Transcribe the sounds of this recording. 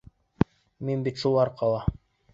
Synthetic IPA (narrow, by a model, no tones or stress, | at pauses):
minbit̪ʃulˠɑɾqɑlˠɑ